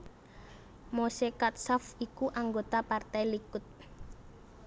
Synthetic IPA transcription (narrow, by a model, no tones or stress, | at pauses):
mosekat̪̚sɔfikuʔaŋɡot̪apart̪ajlikʊt̪̚